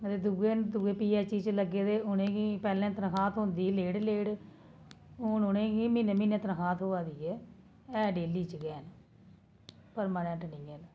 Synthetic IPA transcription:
t̪eːd̪uɡeːd̪uːɡeːpiːɛːt͡ʃiːt͡ʃləɡːeːd̪eːʊnẽːɡiːpɛːlɛ̃ːt̪ənkaːt̪ʰɦʊ̃nd̪iːleːɽleːɽ | ʊnʊnẽːɡiːmiːnẽːmĩːnẽːt̪ənkaːt̪ʰɦoːaːd̪iːɛː | ɛːɖeːliːt͡ʃɡɛːn | pəɾmaːnɛ̃ɳʈnɪ̃ːɛn

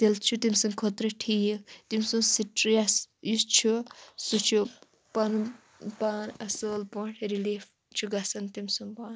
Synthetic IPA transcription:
t̪elt͡ʃʰut̪imsɐŋkʰot̪ɾɐʈʰijit̪imsuŋsiʈɾijasjust͡ʃʰusut͡ʃʰu | pɐnu | paːnɐsəːlpoɳʈʰɾiliːf | t͡ʃʰuɡɐsɐnt̪imsuŋbaːn

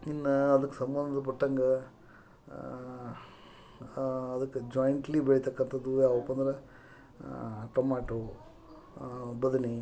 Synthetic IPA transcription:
inːɐːd̪ɐkːesɐmbɐnd̪ʱɐp̬ɐʈːɐŋɡɐ | ɐd̪ɐkːed͡ʒojɳʈɐlibeɭit̪ɐkːɐnt̪ʰɐd̪ːujaːɔpːɐnd̪ɐɾɐ | ʈomaːʈo | bɐd̪ɐni

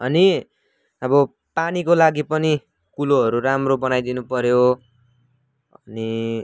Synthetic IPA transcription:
ʌni | ʌbʌ | panikolaɡipʌni | kuloɦʌɾuɾamrobʌnajd̪inupʌɾjo | ʌni

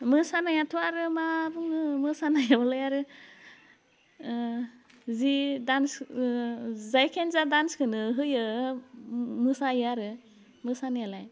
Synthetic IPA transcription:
mɯsanajatʰɔaɾɯmabuŋɯmɯsanajabɔlajaɾɯ | zidans | zajkʰenzadanskʰɯnɯɦɯjɯ | mɯsajɯaɾɯ | mɯsanajalaj

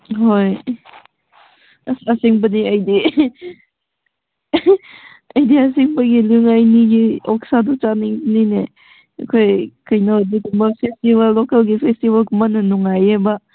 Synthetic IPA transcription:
ɦoj | sasiŋbəniajdi | ajdias̬iŋbaɡilɯŋajniɡiɔksadut͡ʃaniŋbnine | kʰojkɯjnadikumbapʰestiβalːokalɡipʰestibalkumanɯnuŋajeba

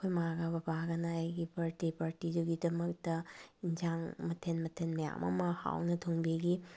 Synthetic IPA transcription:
kʰojmaɡabɐbaɡɐnɐːjɡipaɾtipaɾtiduɡidɐmɐk̚tɐind͡ʒaŋmɐtʰenmɐtʰenmɐja̰mʔɐ̰mɐha̰wnɐtʰoŋbiɡi

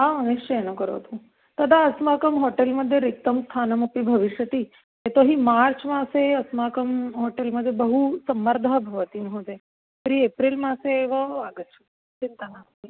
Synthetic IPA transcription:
auniʃt͡ʃɐenokəɾo̰t̪ʰu | t̪ɐd̪ʱaɐsmakəmɦoʈelmɐd̪ʱːjeɾik̚t̪əmst̪ʰaːnɐmupibʱɐʋiʃjət̪i | et̪oɦimaːɾt͡ʃmãseɐsmakəmɦoʈelməd̪ʱːjebəɦusɐmːəɾd̪ʱəbʱɐʋət̪iːmɦot̪e | pɾiːepɾilmãseːʋəaːɡət̪ːt͡ʃʰu | t͡ʃint̪ənaːmpi

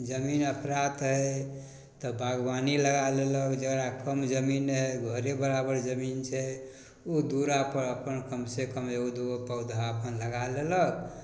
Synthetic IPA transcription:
d͡ʒəminəpʰɾat̪ɦə | t̪ɔbʱaɡwaniləɡaleləkd͡ʒəɡɾakəmd͡ʒəminɦeɡʱəɾebəɾabəɾd͡ʒəmint͡ʃʰɛ | ud̪uɾapəɾəpənkəmsekəmeud̪upəʊd̪ʱaəpənləɡalelək

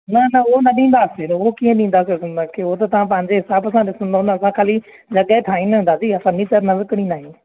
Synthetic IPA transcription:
nɐnɐʊɦonɐɗĩːn̆d̪aːsenɐɦokiːə̃ɗĩːn̆d̪aːs̬eɪsə̃nd̪akeʊot̪ɐt̪ɐʋ̤ãpɐ̃ɦɪ̃ɲd͡ʑeɦɪsaːbɐsãɗɪsə̃nd̪oɦʊ̃nɐsãkʰaːli | d͡ʑɐɠat̪ʰaːĩnɦũnd̪aːt̪iɐsãnĩt͡ɕəɾnɐʋɪkɪɽ̃ĩnaːɦĩː

